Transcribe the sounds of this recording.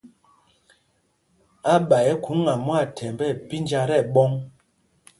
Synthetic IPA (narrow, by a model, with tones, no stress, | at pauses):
a˦ɓa˨jɛ˦ku˨˦ŋa˨mwa˦˨tʰɛ˨mbɛ˦˨pi˦nd͡ʒa˦ɾɛ˦˨ɓɔ˦ŋ